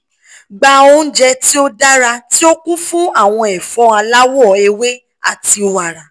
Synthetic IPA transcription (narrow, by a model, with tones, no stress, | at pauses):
ɡ͡ba˧o˧n̩˦d͡ʒɛ˧ti˦o˦da˦ɾa˧ti˦o˦kũ˦fũ˦a˦˨w̃ɔ̃˧ɛ˨fɔ̃˨˧˦a˧la˦wɔ˨e˧we˦ | a̰˦˨ti˧o˨wa˨ɾa˨